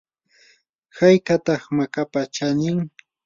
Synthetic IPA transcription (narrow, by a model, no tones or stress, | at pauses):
hajkat̪ɑχmakapat͡ʃanɪŋ